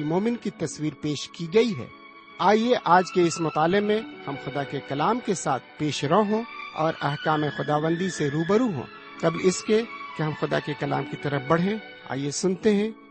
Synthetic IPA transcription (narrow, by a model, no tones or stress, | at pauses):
moːmɪnkit̪ɐswiːɾpeːʃkiɡɐiɦɛ̰ː | aːjeʔaːd͡ʒkeɪsmʊt̪aːlɪɡmẽhɐmxʊd̪akekɐlaːmkesaːt̪̚ʰpeːʃɾɐɦõɔ̰ːɾɐɦkaːmexʊd̪aːʋə̃nd̪iseɾuːbəɾuɦõ̰ː | t̪ɐblɪskekeɦɐmxʊd̪a̰kekɐla̰ːmkit̪ɐɾəfbɐɽ̤ɦẽ | a̰ːjesʊnt̪eɦɛ̃ː